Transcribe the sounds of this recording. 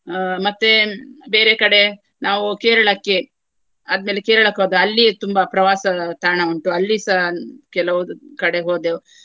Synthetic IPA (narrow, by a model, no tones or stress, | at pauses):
mɐt̪ːebeːɾekɐɽe̞ | naːʋukeːɾɐɭɐkːe | ɐd̪ɐme̞ːlekeːɾɐɭɐkɦoːd̪eɐlːit̪umbɐpɾɐʋaːsɐt̪aːɳɐuɳʈuɐlːisɐkɛlɐʋud̪ukɐɽe̞ɦoːd̪e